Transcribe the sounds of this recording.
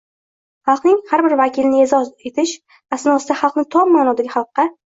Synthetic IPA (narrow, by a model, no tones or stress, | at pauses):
hɑlˠqnɪŋhaɾbɪɾvakʲʰɪlɪnɪe̞zɒze̞t̪ʰɪʃ | vasɪnɒsɪd̪aχɑlˠqnɪt̪ʰɒmːaːnɒd̪aɡʲɪχɑlˠqːɑ